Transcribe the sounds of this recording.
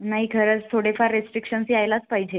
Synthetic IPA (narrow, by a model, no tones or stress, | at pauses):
naɦikʰəɾət͡st̪ʰoɽefaɾɾesʈɾikɕənsiajlat͡spaɦid͡ʑe